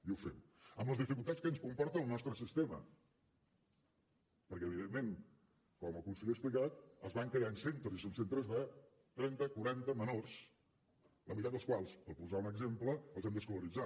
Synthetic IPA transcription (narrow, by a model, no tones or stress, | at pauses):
iuwfɛm | əmləzðifikulˠt̪att͡sskənskumpɔɾt̪əəlˠnɔst̪ɾəsist̪emə̰ | pəɾkɛəβiðemːeŋ | kɔməkunsiəksplikat̪əzβaŋkɾejaənsent̪ɾəzisonsent̪ɾəzðə | t̪ɾɛnt̪əkuɾant̪əmənors | ləmit̪aəlˠskwalˠspəɾpuzaunəɡzempləəlˠzɛmd̪əskuluɾid͡za